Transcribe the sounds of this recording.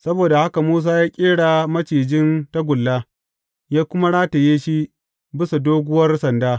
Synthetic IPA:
sɐ˦boː˨da˨ha˦ka˨muː˦s̬aː˦jaː˦kʲʼeː˦ɽaː˨mɐ˦t͡ʃiː˨d͡ʒɪ˦nta˦ɡʷʊ˨lːaː˦ | jaː˦kʷʊ˦ma˦ɽaː˦ta˨jeː˦ʃi˦ | bɪ˦sa˨doː˦ɡʷʊ˦wɐ˦rsɐ˨ndaː˦

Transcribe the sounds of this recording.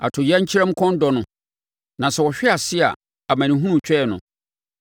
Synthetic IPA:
a̰˨tʰʊ˨ja˦ɲ̩˦t͡ɕʰi˦ɾa˦m˦kʰɔ̃˦n˦dɔ˨nʊ̃˨ | nã˨sɛ˨wɔ˨ɕᶣɛ˦a˨sɪ˦a̰˨ | a˨mã˨nĩ˨ɦũ˦nũ˨t͡ɕʰᶣɛ˦˨nʊ̰̃˨

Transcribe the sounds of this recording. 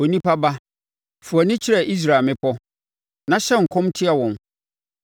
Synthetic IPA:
o˨nĩ˦pa˦ba˦ | fu˨a˨nɪ̃˦t͡ɕʰɪ˦ɾɛ˨ʔi˦s̬ɾaː˨mɪ̃˦pʰɔ˦ | nã˦ɕɛ˦ŋ̩˨kʰɔ̃˦mtʰɪ˦a˨wɔ̃˨n

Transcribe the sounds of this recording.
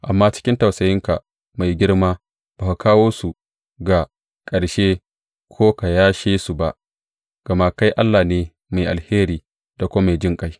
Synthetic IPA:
ʔa˨mːaː˦t͡ʃɪ̥˦kʲɪ˦nta˨wsɐ˨jɪ˦ŋka˨ | ma˨jɡʲɪ˦ɽmaː˦ | baː˨ka˨kʰaː˦woː˦su˨ | ɡa˨ | kʼɐ˨ɽʃe˦ | kʷʰoː˦ka˨jaː˦ʃeː˦su˨ba˦ʔ | ɡ̥ɐ˨ma˦˨ka˦jʔa˦lːaː˨neː˦ | ma˨jʔa̰˨lheː˦ɾiː˨ | d̥a˨kʷoː˦ma˨jd͡ʒɪ˦ŋkʼa˦j

